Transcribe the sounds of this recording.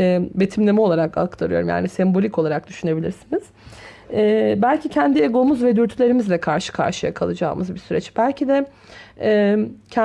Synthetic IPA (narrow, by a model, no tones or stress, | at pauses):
ɛːbe̞t̪ʰimlʲemiolˠaɾaka̰kt̪ʰaɾɯjo̞ɾumja̰ːnisɛmbo̞lʲiko̞lˠaɾak̚d̪yʃyne̞bilʲiɾsiniz̥ | ɛːbælʲcʰicʰɛnd̪ieɡo̞muzvɛd̪yɾt̪ʰylʲe̞ɾimizlʲɛkʰaɾʃɯ̥kʰa̰ɾʃɯja̰kʰalˠɯd͡ʒa̰ːmɯzbisyɾɛ̰t͡ʃb̥ælʲcʰid̪ɛ | ɛcʰɛ